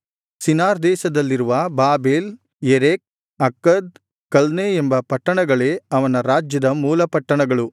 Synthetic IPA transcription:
sinaːɾd̪ɛːʃɐd̪ɐlːiɾuʋɐbaːbeːl | eɾek̚ | ɐkːɐd̪̚ | kɐlneembɐpɐʈːɐɳɐɡɐɭe̞ːɐʋɐnɐɾaːd͡ʒjɐd̪ɐmuːlɐpɐʈːɐɳɐɡɐɭu

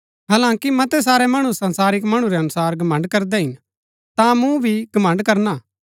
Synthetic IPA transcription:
ɦaːlãːkimɐt̪ɛs̬aːɾɛmɐɽ̃ũsɐ̃nsaːɾɪkmɐɽ̃ũɾɛɐnʊsaːɾɡɐmɐ̃ɳɖkɐɾd̪ɛɦɪn | t̪ãmũbʱiɡɐmɐ̃ɳɖkɐɾnaː

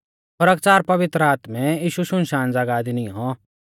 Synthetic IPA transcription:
pɐɾəkt͡saːɾpɐʋɪt̪ɾəaːt̪mɛ̃iːʃuʃʊ̃nʃaːnd͡zaːɡaːd̪iniɦɔ̃

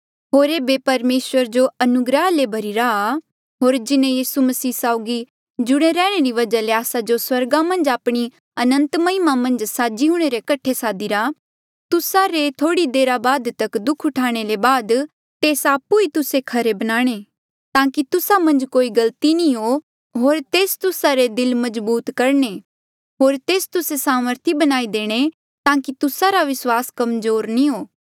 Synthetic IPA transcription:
ɦoːɾeːbepɐɾmeːswəɾd͡ʒoɐnʊɡɾəɦlebʱɐɾiɾaa | ɦoːɾd͡ʒɪnẽjiːsumɐsiːsaːʊɡi | d͡ʒʊɽ̃eɾɛːɽ̃eɾiʋɐd͡ʒaleaːsad͡ʒoswɐɾɡamɐ̃nd͡ʒaːpɽ̃i | ɐnə̃nt̪mɐɪmamɐ̃nd͡ʒsaːd͡ʒiɦʊ̃ɽ̃eɾekɐʈʰesaːd̪iɾa | t̪ʊsaɾet̪ʰoːɽid̪eːɾabaːd̪t̪ɐkd̪ʊkʰʊʈʰaːɽ̃elebaːd̪ | t̪eːsaːpuit̪ʊsekʰɐɾebɐnaːɽ̃e | t̪ãːkit̪ʊsamɐ̃nd͡ʒkoːiɡɐlt̪inĩɦo | ɦoːɾt̪eːst̪ʊsaɾed̪ɪlmɐd͡ʒbuːt̪kɐɾɳe | ɦoːɾt̪eːst̪ʊsesaːməɾt̪ʰibɐnaːid̪eːɽ̃e | t̪ãːkit̪ʊsaɾaʋɪswaːskɐmzoːɾnĩɦoː

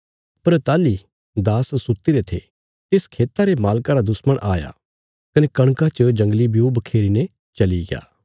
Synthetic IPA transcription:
pɐɾt̪aːli | d̪aːsːʊt̪iɾet̪ʰḛ | t̪ɪskʰeːt̪aɾemaːlkaɾad̪ʊsməɽ̃ʔaːja̰ | kɐnekɐɽ̃kat͡ʃəd͡ʒɐ̃ŋɡlibjubɐkʰeːɾine | t͡ʃɐliɡja̰ː

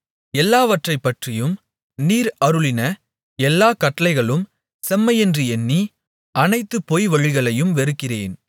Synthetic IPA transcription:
ɛlːaːʋɐʈrɐɪpːɐʈrɪjɯm | niːɾɐɾɯɭɪnɐ | ɛlːaːkɐʈːɐlɐɪɣɐɭɯm | sɛmːɐɪɛndrɯɛnːi | ʔɐnɐɪt̪ːɯpɔjʋɐɻɪɣɐɭɐjɯmʋɛɾɯkːɪreːn

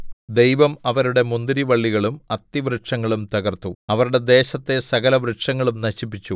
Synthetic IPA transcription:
d̪e̞jʋɐmɐʋɐɾuɽe̞mund̪iɾiʋɐɭːiɣɐɭumɐt̪ːiʋɾɨʈʂɐŋːɐɭumt̪ɐɣɐrt̪uɐʋɐɾuɽe̞d̪e̞ːɕɐt̪ːe̞sɐɣɐlɐʋɾɨʈʂɐŋːɐɭumnɐɕip̬ːit͡ɕːu

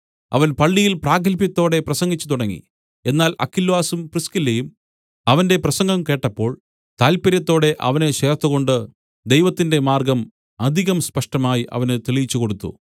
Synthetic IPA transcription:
ɐ̰ʋɐnpɐɭːijilpraːɡɐlpjɐt̪ːo̞ːɽe̞prɐsɐŋɡit͡ɕːut̪uɽɐŋːḭ | e̞nːaːlʔɐ̰kːilʋaːsumpriskilːejum | ɐʋɐnde̞prɐsɐŋɡɐmke̞ːʈːɐpːo̞ːɭ | t̪aːlpɐɾjɐt̪ːo̞ːɽe̞ʔɐ̰ʋɐne̞ɕe̞ːrt̪ːuɣo̞ɳɖɨ | d̪e̞jʋɐt̪ːinde̞maːrɡɐm | ɐd̪ʱiɣɐmspɐʂʈɐmaːjiʔɐ̰ʋɐnɨt̪iɭijit͡ɕːuko̞ɽut̪ːṵ

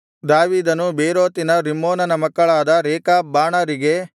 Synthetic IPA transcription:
d̪aːʋiːd̪ɐnubeːɾoːt̪inɐɾimːoːnɐnɐmɐkːɐɭaːd̪ɐɾɛːkaːbaːɳɐɾiɡe̞

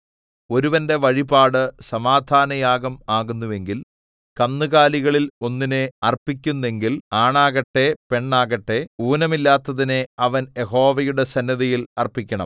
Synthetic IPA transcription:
o̞ɾuʋɐnde̞ʋɐɻibaːɽɨsɐmaːd̪ʱaːnɐjaːɡɐmaːɣunːuʋe̞ŋɡil | kɐmnɨɣaːliɣɐɭilo̞nːineɐrpːikʲːunːe̞ŋɡilaːɳaːɣɐʈːe̞pe̞ɳːaːɣɐʈːe̞uːnɐmilːaːt̪ːɐðine̞ɐʋɐnje̞ɦo̞ːʋɐjuɽe̞sɐnːɐðɐjilɐrpːikʲːɐɳɐ̰m

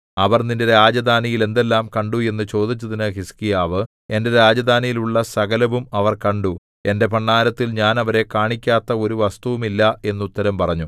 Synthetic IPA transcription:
ɐʋɐrnindeɾaːd͡ʑɐd̪aːnijile̞nd̪e̞lːaːmkɐɳɖue̞nːɨt͡ɕo̞ːd̪it͡ɕːɐðinɨɦiskijaːʋɨ | e̞nde̞ɾaːd͡ʑɐd̪aːnijiluɭːɐsɐɡɐlɐʋumɐʋɐrkɐɳɖu | e̞nde̞pɐɳːaːɾɐt̪ːilɲaːnɐʋɐɾe̞kaːɳikʲːaːt̪ːɐo̞ɾuʋɐst̪uʋumilːɐe̞nːut̪ːɐɾɐmpɐrɐɲːu

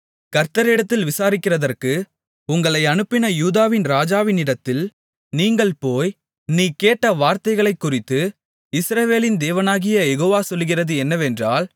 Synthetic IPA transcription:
kɐɾt̪ɐɾɪɽɐt̪ːɪlʋɪsaːɾɪkːɪrɐðɐrkɯ | ʊŋɡɐɭɐɪɐnɯpːɪnɐjuːðaːʋɪnɾaːd͡ʒaːʋɪnɪɽɐt̪ːɪl | niːŋɡɐɭpoːj | niːkeːʈːɐʋaːɾt̪ɐɪɣɐɭɐɪkːʊrɪt̪ːɯ | ɪsɾɐʋeːlɪnd̪eːʋɐnaːɣɪjɐjɛɣoːʋaːsɔlːɯɣɪrɐðɯɛnːɐʋɛndraːl

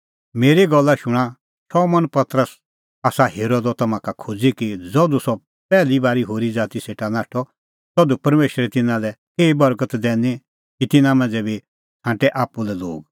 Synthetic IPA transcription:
meːɾiɡɔlːaʃʊɽ̃a | t͡ʃʰɔmɐnpɐt̪ɾəs | aːsaɦeːɾod̪ɔt̪ɐmãkakʰud͡zikid͡zɔd̪usɔ | pɛːlibaːɾiɦoːɾid͡zaːt̪iseːʈanaːʈʰɔ | t̪ɔd̪upɐɾmeːʃɾɛt̪ɪnãlɛkeːibɐɾkət̪d̪ɛːni | kit̪ɪnãmɐ̃nd͡zɛbi | hãːʈɛʔaːpːulɛlo̰ːɡ

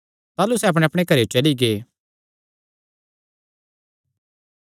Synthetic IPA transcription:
t̪aːlusɛɐp̬ɽ̃eɐpɽ̃ekɐɾeot͡ʃɐliɡeː

